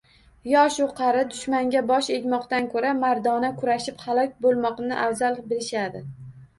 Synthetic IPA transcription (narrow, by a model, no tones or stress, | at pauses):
jɒʃʊqʰɑɾɪd̪ʊʃmaŋɡʲabɒʃe̞ɡʲmɒqt̪ankʰoɾamaɾd̪ɒnakʰʊɾaʃɪphalˠɒkʲbolˠmɒqnɪʔawzalˠbɪlɪʃad̪ɪ